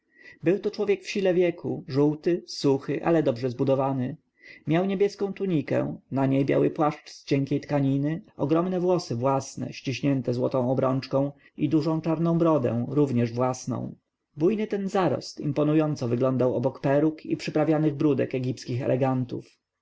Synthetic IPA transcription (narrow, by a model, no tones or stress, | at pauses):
bɘwt̪ɔt͡ʂwɔvʲjɛkfɕilɛvʲjɛkʰṵʐuwt̪ɘsuxɘʔa̰lɛd̪ɔbʐɛzbud̪ɔvanɘ | mʲjawɲebʲjɛskɔ̃w̃t̪uɲikɛ̰̃naɲejbʲja̰wɘpwaʂt͡ʂst͡ɕɛŋkʲejt̪kaɲinɘɔɡɾɔmnɛvwɔsɘvwasnɛ̰ɕt͡ɕiɕɲɛnt̪ɛzwɔt̪ɔ̃w̃ɔbɾɔnt͡ʂkɔ̃w̃ | id̪uʐɔ̃w̃t͡ʂaɾnɔ̃w̃bɾɔd̪ɛ̰̃w̃ɾuvɲɛʐvwasnɔ̰̃w̃ | bujnɘt̪ɛnzaɾɔ̰st̪ḭmpɔnujɔnt̪sɔvɘɡlɔnd̪awɔbɔkpɛɾukḭpʂɘpɾavʲjanɘɣbɾud̪ɛ̰kɛɡʲipskʲixɛ̰lɛɡant̪ṵf